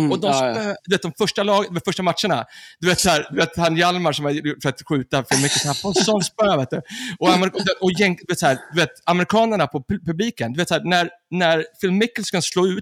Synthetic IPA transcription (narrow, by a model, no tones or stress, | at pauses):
ɔd̪ɔsœd̪ɵveːt̪̚d̪ɔmfœʂʈalɑːɡd̪veːt̪fœʂʈamat̪ʂəɳa̰d̪ɵʉveːt̪sæːɾd̪ɵveːt̪hanjalmaɾʂɔmajʊʈːfœɾat̪ɧʉ̟ːt̪afɪlmɪkːəlshæpʰɔsɔnspøːveːt̪̚d̪ɵɔamɔd̪ɔjɛnd̪ɵveːt̪shæːɾd̪̥ɵveːt̪amɛɾɪkʰɑːnəɳapʰɔppɵbliːkənd̪ɵveːt̪shæːnæɾ | næɾfɪlmːɪkːəlskasloːʉ̟ːt̪